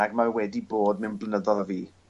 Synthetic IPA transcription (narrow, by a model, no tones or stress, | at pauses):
aɡmarwɛdiboːd̚mɪnblˠənəðɔlˠəviː